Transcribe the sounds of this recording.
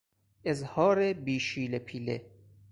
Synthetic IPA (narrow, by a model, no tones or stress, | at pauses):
ezhɒːɾebiːʃiːlepʰiːlḛ